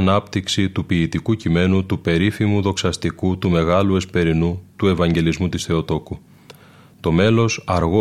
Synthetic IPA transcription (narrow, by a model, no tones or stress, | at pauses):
nɐpt̪iksit̪upiːt̪ikucime̞nut̪upe̞ɾifimuðo̞ksɐst̪ikut̪ume̞ɣɐlue̞spe̞ɾinut̪ue̞vɐɲɟe̞lizmut̪isθe̞o̞t̪o̞ku | t̪o̞me̞lo̞sɐɾɣo